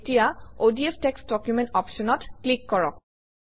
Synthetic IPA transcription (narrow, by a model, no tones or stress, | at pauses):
tijaodiepʰteksdɔkjumẽntɔpʃɔnɔtklikːɔɹɔ̰k̚